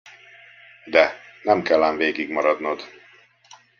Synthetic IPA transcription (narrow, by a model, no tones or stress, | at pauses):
d̪ɛnɛmkɛlːaːnveːɡiɡmɒɾɒd̪nod̪